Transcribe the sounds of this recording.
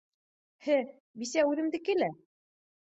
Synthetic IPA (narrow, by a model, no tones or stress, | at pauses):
hɘ | bisæʉðɘ̆md̪ɘ̆kɘlæ